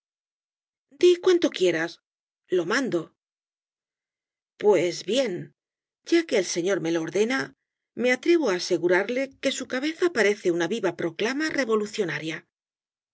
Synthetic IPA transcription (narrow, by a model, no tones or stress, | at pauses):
d̪ikwant̪o̞kje̞ɾas | lo̞mãnd̪o̞ | pwe̞zβje̞n | ɟ͡ʝake̞ːlse̞ɲo̞ɾme̞loːɾðe̞na | me̞at̪ɾe̞βoaːse̞ɣuɾaɾle̞ke̞sukaβe̞θapaɾe̞θe̞unaβiβapɾo̞klamare̞βo̞luθjo̞naɾja